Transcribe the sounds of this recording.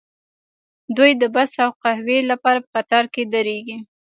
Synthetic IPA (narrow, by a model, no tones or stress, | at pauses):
d̪ujd̪əbasawqahwelapɑɾapə̥qat̪ɑɾked̪əɾeɡi